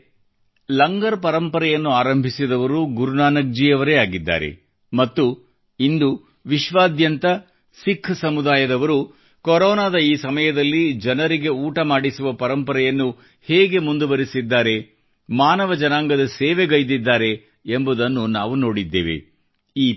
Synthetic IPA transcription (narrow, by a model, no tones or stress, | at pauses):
lɐŋɡɐɾpɐɾɐmpɐɾɛjɐnːuaːɾɐmbʱisid̪ɐʋɐɾuɡuɾunaːnɐɡ̚d͡ʒiːjɐʋɐɾeaːɡid̪ːa̰ːɾe̞̰ | mɐt̪ːu | ind̪u | ʋiʃʋaːd̪jɐnt̪ɐ | sikʰːsɐmud̪aːjɐd̪ɐʋɐɾu | kɔɾɔːnaːd̪ɐiːsɐmɐjɐd̪ɐlːid͡ʒɐnɐɾiɡe̞uːʈɐmaːɽisuʋɐpɐɾɐmpɐɾɛjɐnːu | heːɡe̞mund̪uʋɐɾisid̪ːaːɾe̞ | maːnɐʋɐd͡ʒɐnaːŋɡɐd̪ɐseːʋeɡɐjd̪id̪ːaːɾe̞ː | mbud̪ɐnːunaːʋuno̞ːɽid̪ːḛːʋḛ | iː